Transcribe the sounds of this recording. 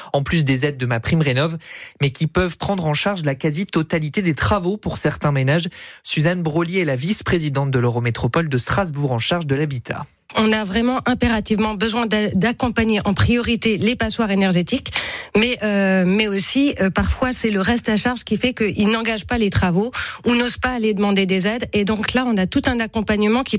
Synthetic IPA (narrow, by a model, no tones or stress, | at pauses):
ɑ̃plys̬d̪ezɛd̪̚ːəmapχimʁenɔvmɛkʲipœvpχɑ̃d̪ʁɑ̃ʃaʁʒlakazit̪ɔt̪alit̪ed̪et̪χavopuʁsɛʁt̪ɛ̃menaʒsyzanbʁoljeɛlavispχezid̪ɑ̃t̪̚d̪əløʁomet̪χɔpɔld̪əst̪χazbuʁɑ̃ʃaʁʒd̪əlabit̪ʰa̰ | ɔ̃navʁɛmɑ̃ʔɛ̃peʁat̪ivmɑ̃bəzwɛ̃d̪d̪akɔ̃paɲeʔɑ̃pχijɔʁit̪elepaswaʁenɛʁʒet̪ikmɛʔømɛosiøpaʁfwasɛləʁɛst̪aʃaʁʒkʲifɛkəʔilnɑ̃ɡaʒpalet̪χavounozpaːled̪əmɑ̃d̪ed̪ezɛd̪ed̪ɔ̃klaɔ̃nat̪ut̪ɛ̃nakɔ̃paɲəmɑ̃kʲi